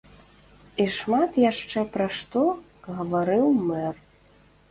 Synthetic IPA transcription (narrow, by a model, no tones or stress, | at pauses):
iʂmat̪jaʂt͡ʂɛpɾɐʂt̪ɔ | ɣɐvaɾɨwmɛr